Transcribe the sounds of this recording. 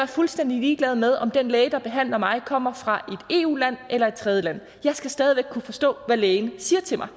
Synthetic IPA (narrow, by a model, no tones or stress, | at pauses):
æɐfulsd̥en̰d̥iliːɡ̥lɛːð̞̩ˠmeð̞ˠɒ̽md̥enleːd̥ɑ̈b̥e̝ɦæn̰lɐmɑ̈ɪkʰɒ̽m̰ɐfʁɑ̈ʔe̝d̥e̝̰ːṵːlæn̰elɐe̝d̥̚t͡sʰʁɛð̞ˠjəlæn̰ | jɑ̈ɪsɡ̥æsd̥ɛːð̞ˠiʋeɡ̥̚kʰːufɒ̽sd̥ɔ̰̽ːʋæleːɪnsiːɐt͡sʰe̝mɑ̈ɪ